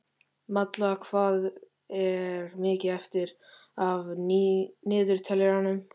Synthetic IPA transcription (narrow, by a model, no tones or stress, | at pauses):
mat̪lakʰvaːð | ɛɾmɪːcɪðɛft̪ɪɾav | nɪːðʏɾ̥t̪ʰɛlɛɾanʏm